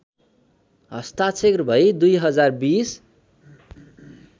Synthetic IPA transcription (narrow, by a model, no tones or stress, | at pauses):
ɦʌst̪at͡sʰekrbʱʌjd̪ujɦʌd͡zarbis